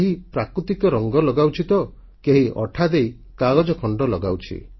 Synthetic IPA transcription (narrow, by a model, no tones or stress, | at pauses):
ɦipɾakɾut̪ikɔɾɔŋɡɔlɔɡawt͡ʃʰit̪ɔ | keɦiʔɔ̰ʈʰad̪ej | kaɡɔd͡ʒɔkʰɔɳɖɔlɔɡawt͡ʃʰḭ